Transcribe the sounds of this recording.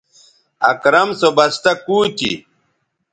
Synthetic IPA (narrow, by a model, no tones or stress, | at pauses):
ɐkɾɐmsobɐst̪ɐkuːt̪ḭ